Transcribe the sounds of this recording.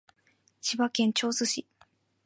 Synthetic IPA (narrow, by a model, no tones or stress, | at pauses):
ɕiβakẽ̞ɲ̟t͡ɕo̞ːsɨɕi